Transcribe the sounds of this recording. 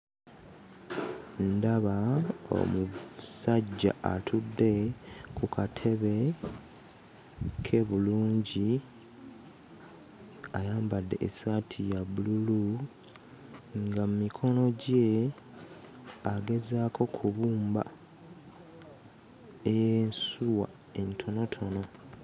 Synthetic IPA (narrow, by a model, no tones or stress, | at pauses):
ndaβao̰musaɟːa̰atʰudːe̞kukʰatʰe̞βe̞ | kʰe̞βuluːɲɟi | ajaːmbadːe̞̰ʔːsatʰijabululu | ŋɡamumikʰo̞no̞ɟe | aɡe̞zaːkʰo̞kʰuβuːmba | ejensuwa̰ | e̞ntʰo̞no̞tʰo̞no̞